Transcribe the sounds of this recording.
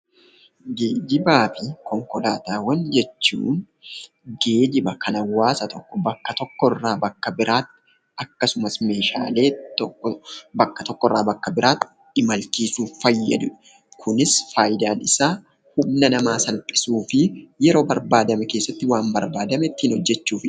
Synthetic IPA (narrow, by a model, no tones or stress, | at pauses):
ɡeːd͡ʒɪbaːfɪkɔŋkɔlaːt̪aːwɐnd͡ʒɛt͡ʃːṵːn | ɡe̞ːd͡ʒɪbɐkʰɐnɐwːaːsɐt̪ʰɔkːɔbɐkːɐt̪ɔkːɔrːaːbɐkːɐbɪɾaːt̪ːɪ | ɐkːɐsʊmɐsme̞ːʃa̰ːle̞ːt̪ɔbɐkːɐ̥t̪ɔkːɔrːaːbɐkːɐbɪɾaːt̪ː | ɪmɐlt͡ʃiːsuːffɐjːɐ̰d̪ʊ | kʰʊnɪsfaːjɪd̪aːnɪsaː | hʊmnɐnɐmaːsɐlpʼɪ̥suːfɪjɛɾo̞ːbɐɾbaːd̪ɐmɛke̞ːsːɐt̪ːɪwaːmbɐɾbaːd̪ɐmɛt̪ːɪhɪnhɔd͡ʒːɛt͡ʃːuːfɪ